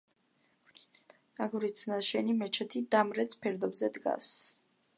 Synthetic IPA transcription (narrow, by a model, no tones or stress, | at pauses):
aɡuɾit̪sʰnaʃɛnimɛt͡ʃʰɛt̪ʰid̪amɾɛt̪sʰpʰɛɾd̪ɔbzɛd̪ɡa̰s